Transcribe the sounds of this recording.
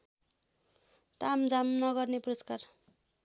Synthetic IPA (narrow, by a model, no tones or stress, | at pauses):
t̪amd͡zamnʌɡʌrnepurʌskar